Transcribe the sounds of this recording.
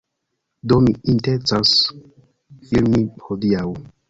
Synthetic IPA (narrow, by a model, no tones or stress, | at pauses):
domiintet͡sas | ilmihodiaw